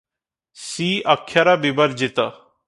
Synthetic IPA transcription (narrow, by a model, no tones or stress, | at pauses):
siːʔakʰːjaɾabibəɾd͡ʒɪt̪a